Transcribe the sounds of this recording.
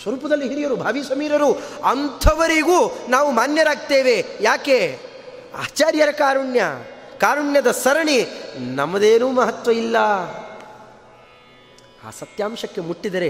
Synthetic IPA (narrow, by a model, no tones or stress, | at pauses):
sʋɐɾuːpɐd̪ɐlːiɦiɾijɐɾubʱaːʋiːsɐmiːɾɐɾuɐnt̪ʰɐʋɐɾiɡuːnaːʋumaːnjɐɾaːɡ̚t̪eːʋe̞jaːkeː | a̰ːt͡ʃaːɾjɐɾɐkaːɾuɳjɐkaːɾuɳjɐd̪ɐsɐɾɐɳinɐmɐd̪eːnuːmɐɦɐt̪ʋɐilːɐ | a̰ːsɐt̪jaːmʃɐkːe̞muʈːid̪ɐɾe